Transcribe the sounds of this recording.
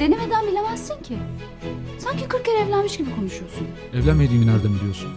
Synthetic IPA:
d̪̥e̞nime̞d̪ænbilʲemæsːiɲcʰi | saɲcʰikʰɯɾk̚cːeɾɛɛvlʲænmiʃɟibikʰo̞nuʃujosun | ɛvlʲænmed̪iːminæɾd̪æmid̪ijoɾsun

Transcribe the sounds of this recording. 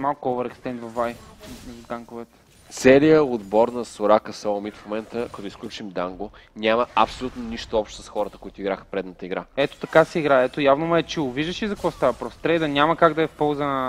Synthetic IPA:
malˠkʊɔvəɾɛkst̪ɛnd̪vɐfajzɐd̪aŋkʊvɛt̪ɛ̥ | t̪sɛlijəod̪bɔɾnɐsoɾakəsomit̪fmomɛnt̪əkɐt̪ɔisklʲut͡ʃimd̪aŋɡonʲaməɐpsolʲut̪noniʃt̪oɔpʃt̪sə̥sxɔɾət̪əkoʊit̪oʊiɡɾaxə̥pɾɛd̪nət̪əiɡɾaɛt̪o̥t̪ɐkasɛiɡɾaɛt̪ojavnomuɛt͡ʃɛɡoviʒd̪əʃizɐkkvɔst̪avɐpɾɔfst̪ɾɛjd̪ɐnʲamɐkaɡd̪ɐɛfpɔlˠzənə

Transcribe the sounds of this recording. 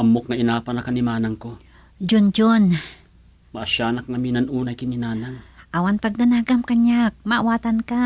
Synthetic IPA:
ʔɐmok̚ŋɐɪnaːpɐnɐkɐnɪmaːnaŋko | d͡ʒond͡ʒon | mɐʔaʃaːnɐk̚ŋɐminɐnʔuːnajkɪnɪnaːnaŋʔawanpɐɡ̚d̪anaɡamkaɲak̚maʔwaːt̪anka

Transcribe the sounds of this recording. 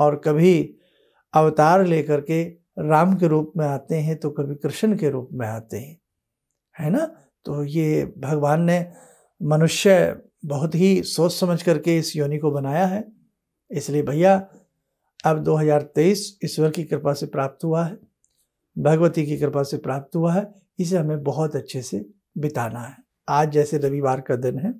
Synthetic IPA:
ɔːɾkɐbʱi | ɐʋt̪aːɾleːkɐɾke | ɾaːmkeɾuːpmẽaːt̪eɦɛ̃t̪okɐbʱikɾɪʃənkeɾuːpmẽaːt̪eɦɛ̃ | hɛːna | t̪oːjeːbʱɐɡʋaːnːe | mɐnʊʃjə | bɐɦʊt̪ɦisoːssɐməd͡ʒʱkɐɾkeɪsjoːnikobɐnaːjaɦɛː | ɪsliebʱɐja | ɐbd̪oːɦɐzaːɾt̪eiːsɪswɐɾkikɾɪpasepɾaːp̚t̪ɦuaɦɛː | bʱɐɡʋət̪ikikɾɪpasepɾaːp̚t̪ɦuaɦɛ | ɪs̬eɦɐmẽbɐɦʊt̪ɐtːʃʰese | bɪt̪aːnaɦɛ | aːd͡ʒd͡ʒɛːseɾɐʋiʋaːɾkad̪ɪnɦɛː

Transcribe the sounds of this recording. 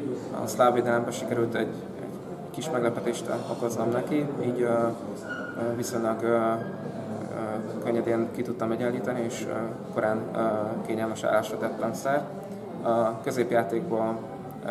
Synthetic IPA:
ɒ̰slaːveːd̪ɛlɛmbɛʃikɛɾylt̪ɛɟ | ɛ̰ɟ | kiʃmɛɡlɛpɛt̪eːʃt̪oko̞zːɒmnɛkiiːɟ | viso̞ɲlɒɡ | køɲːɛd̪eːŋkit̪ut̪ːɒmɛɟalːiːt̪ɒnieːʃ | ko̞ɾaːnkeːɲɛlmɛʃa̰ːlaːʃɛt̪ɛt̪lɛmsɛr | ɒkø̞zeːpjaːt̪eːɡ̚boːl

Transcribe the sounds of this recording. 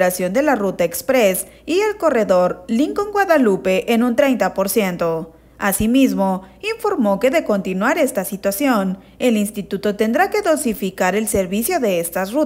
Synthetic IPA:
ɾasjo̞nd̪e̞larut̪aekspɾes | ie̞lko̞re̞ðo̞ɾliŋkoŋɡwaðalupe̞ʔenunt̪ɾe̞jnt̪apo̞ɾsje̞nt̪o̞ | asimizmo̞iɱfo̞ɾmo̞ke̞ðe̞ko̞nt̪inwaɾe̞st̪asit̪wasjo̞n | e̞linst̪it̪ut̪o̞t̪e̞nd̪ɾake̞ðo̞sifikaɾe̞lse̞ɾβisjo̞ðe̞est̪asru

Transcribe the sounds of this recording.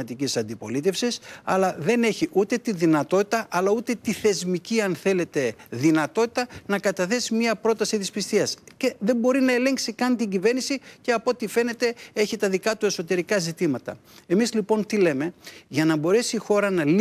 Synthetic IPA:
ɐt̪icisɐnd̪ipo̞̰lit̪e̞fsisɐ̰lɐðe̞ne̞çiʔut̪e̞t̪inðinɐt̪o̞t̪it̪ɐʔɐlɐut̪e̞t̪iθe̞zmiciɐnθe̞le̞t̪e̞ðinɐt̪o̞t̪i̥t̪ɐnɐkɐt̪ɐθe̞simɲiɐpɾo̞t̪ɐsit̪ispist̪iɐsce̞ðe̞mbo̞ɾinɐe̞le̞ŋksikɐnt̪iɲɟive̞ɾnisice̞ɐpo̞t̪ife̞ne̞t̪e̞e̞çit̪ɐðikɐt̪ue̞so̞t̪e̞ɾikɐzit̪imɐt̪ɐ̰ | e̞mizlipo̞nt̪ile̞me̞ʝɐnɐbo̞ɾe̞siːxo̞ɾɐnɐl

